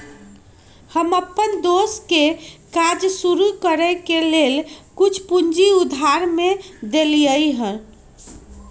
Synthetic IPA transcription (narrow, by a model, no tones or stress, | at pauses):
həməpːənd̪oskekad͡ʒsuɾukəɾəkelelkut͡ʃʰpund͡ʒiud̪ʱaɾmed̪elijəjɦən